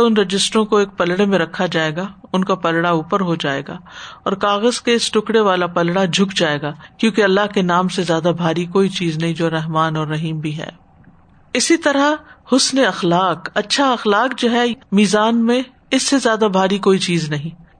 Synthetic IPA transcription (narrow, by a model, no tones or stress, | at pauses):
ʊnɾɐd͡ʒɪsʈɾõkoeːk̚pɐlɽemẽɾɐkʰːad͡ʒaːeːɡaʊnkapɐlɽauːpəɾɦod͡ʒaːḛːɡaːɔːɾkaːɣəzkesʈʊkɽeʋaːlapɐlɽad͡ʒʱʊkd͡ʒaːeːɡaːkjõːkeɐlːaɦkenaːmsezjaːd̪abʱaːɾikoːit͡ʃiːznɐɦĩd͡ʒoːɾɛɦmaːnɔːɾːɐɦiːmbʱiɦɛ̰ː | ɪsit̪ɐɾahʊsneɐxlaːkɐtːʃʰaɐxlaːkd͡ʒoɦɛmiːzaːnmẽ | ɪsːezjaːd̪abʱaːɾikoːit͡ʃiːznɐɦĩː